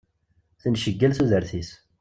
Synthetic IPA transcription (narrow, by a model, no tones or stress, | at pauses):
θənʃəɡːælθuðəɾθis